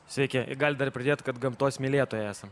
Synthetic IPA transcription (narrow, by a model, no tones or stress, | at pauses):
sʲʋʲɛɪkʲɛʔɪ̰ɡɑːlʲɪd̪ɐɾpʲɾʲɪdʲeːt̪kɐt̪ɡɐmt̪oːsʲmʲɪlʲeːt̪oːjɛæːsɐm